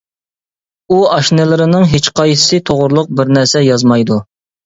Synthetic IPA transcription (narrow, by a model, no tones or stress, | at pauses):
uɑʃnɪlɪɾɪnɨŋɦet͡ʃqʰɑj̥sɨt̪ʰoʁʊɾlˠʊq̚bɪɾnæɾsɛjɑzmɑjd̪u